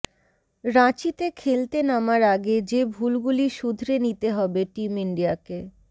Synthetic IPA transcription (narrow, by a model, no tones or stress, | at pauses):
ɾãt͡ɕit̪ekʰelt̪enamaɾaɡed͡ʑebʱulɡuliʃud̪ʱɾenit̪eɦɔbeʈimiɳɖiake